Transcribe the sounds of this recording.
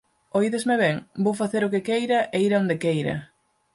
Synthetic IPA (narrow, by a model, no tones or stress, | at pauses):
ojðezmeβɛŋbowfaθeɾʊkekejɾɐʔeiɾaõnd̪ekejɾɐ̰